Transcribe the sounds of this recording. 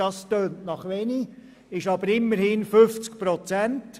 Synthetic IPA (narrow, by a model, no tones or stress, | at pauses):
ɑstøːntnɑχʋɛni | ɪʃɑbəɾɪmːəɾhɪnfʏft͡sk̚pɾɔt͡sænt